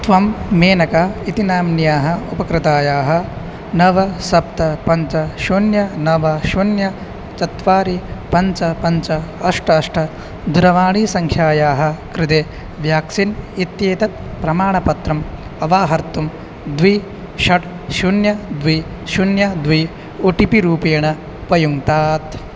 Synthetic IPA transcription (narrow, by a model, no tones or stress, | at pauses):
t̪ʋɐmːeːnɐkaːit̪inaːmnjaːɦɐupɐkɾɪt̪aːjaːɦɐ̆ | nɐʋɐsɐp̚t̪ɐpɐɲt͡ʃɐʃunjɐnɐʋɐʃunjɐ | t͡ʃɐt̪ʋaːɾipɐɲt͡ʃɐpɐnt͡ʃɐɐʂʈʰɐɐʂʈʰɐ | d̪ʱuɾɐʋaːɳiːsɐŋkʰjaːjaːɦɐ̆kɾɪd̪eː | ʋjaːksinit̪jeːt̪ɐt̪̚pɾɐmaːɳɐpɐt̪ɾɐm | ɐʋaːɦɐɾt̪um | d̪ʋi | ʃɐʈ | ʃunjɐd̪ʋi | ʃunjɐd̪ʋi | uʈipiɾuːpeːɳɐ | pɐjuŋt̪aːt̪